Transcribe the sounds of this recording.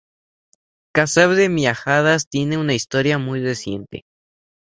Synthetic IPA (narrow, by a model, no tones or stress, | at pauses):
kasaβðeβjaxaðast̪je̞ne̞unaist̪o̞ɾjamujresje̞̰nt̪ḛ